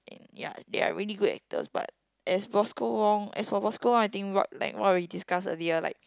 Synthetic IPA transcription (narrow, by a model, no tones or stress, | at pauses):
ʔɛ̰̃nja̰dea̰ɹiliɡudɛ̰k̚tə̰sba̰t̚ | ɛsbɔskoɹɔ̃ŋɛ̰sfɔbɔskoɹɔ̃ŋaɪt̪ĩŋwɔt̚la̰ɪkwawiidiskasəliəla̰ɪk̚